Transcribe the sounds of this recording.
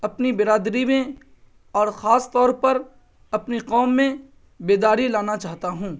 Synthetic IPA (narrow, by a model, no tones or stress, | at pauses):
ɐpnibɪɾaːd̪ɾimẽ | ɔːɾxaːst̪ɔːɾpɐɾ | ɐpniqɔːmːẽ | beːd̪aːɾilaːnat͡ʃaːɦt̪aɦũː